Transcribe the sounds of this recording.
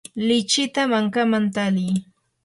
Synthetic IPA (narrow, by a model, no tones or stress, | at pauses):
lɪt͡ʃɪt̪amaŋkamant̪alɪj